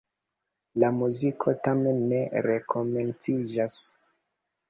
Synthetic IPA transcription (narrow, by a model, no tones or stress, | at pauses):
lamuzikʰo̞tame̞nːe̞ɾe̞kʰo̞me̞nt͡sid͡ʒas